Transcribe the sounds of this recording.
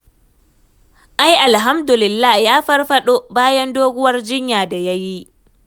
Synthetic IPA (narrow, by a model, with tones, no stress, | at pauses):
ʔa˦jʔa˨lɦa˦mdʊ˨lɪ˨lːaː˦jaː˦ɸɐ˦rɸɐ˦ɗoː˦baː˦jɐ˦ndoː˦ɡʷʊ˦wɐ˦rd͡ʒɪ˦ɲjaː˨da˨ja˦ji˦ʔ